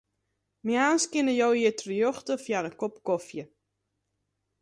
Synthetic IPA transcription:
mjaːnskɪnəjowitrijoxtəfjarəkopkofjə

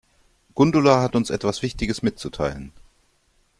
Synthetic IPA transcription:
ɡ̥ʊndʊlaɦatʊnsʔɛ̰tv̥asv̥ɪçtɪɡəsmɪt̚t͡sutʰa̰ɪlən

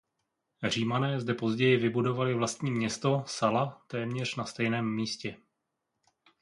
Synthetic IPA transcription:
r̝iːmanɛːzdɛpo̞zɟɛjɪvɪbudo̞valɪvlast̪ɲiːmɲɛst̪o̞salat̪ɛːmɲɛr̝nast̪ɛjnɛːmːiːscɛ

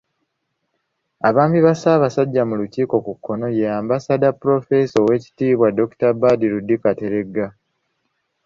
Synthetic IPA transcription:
aβaːmbiβasaːβasaɟːamuluciːko̞kukːo̞no̞jejaːmbasadapuɾo̞fe̞sowe̞ːci̥tiːβwado̞ku̥tabadiɾudːikate̞ɾe̞ɡːa

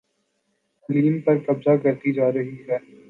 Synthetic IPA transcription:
liːmpɐɾkɐbzakɐɾt̪id͡ʒaːɾɐɦiɦɛː

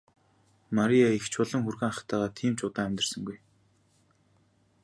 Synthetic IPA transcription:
maɾʲijaixt͡ɕʰʊɮə̆ŋxurɣeːŋaχt̪ʰæːʁaːt̪ʰiːmt͡ɕʊt̪aːæmʲt̪ə̆r̥sə̆ŋɡuj

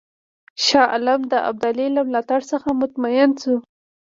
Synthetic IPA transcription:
ʃɑʔa̰lamd̪əʔa̰b̚d̪alilamlɑt̪aɽsəxamʊt̪majɪnsu

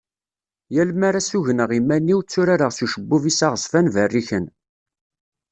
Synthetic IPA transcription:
jælmaɾasuʝnəʁimːænːiwt͡sːuɾaɾəʁsuʃəbːuvisaʁəsfænvərːiçən

